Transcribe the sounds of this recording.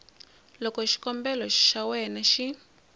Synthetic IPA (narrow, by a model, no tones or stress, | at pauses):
lɔkɔʃi̥kɔmbɛlɔʃawɛnaʃi